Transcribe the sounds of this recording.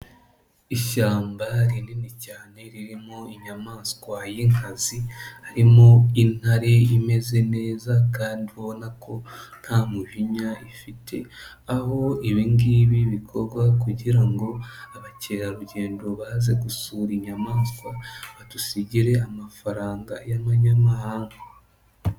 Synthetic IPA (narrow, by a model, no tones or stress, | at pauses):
iʃaːmbaɾininicaːne̞ɾiɾimoiɲamaːskwajiŋkazihaɾimoin̥haɾe̞ime̞ze̞ne̞ːzakaːndihonakʰo̞n̥haːmuʒiɲaifitʰe̞ | aho̞iβiŋɡiβiβikʰo̞ɾɡwakuɟiɾaŋɡo̞aβace̞ːɾaɾuɟe̞ːndo̞βahaze̞ɡusuːɾiɲamaːnskwaβatusiɟiɾe̞amafaɾaːŋɡa̰jamaɲamahaːŋɡa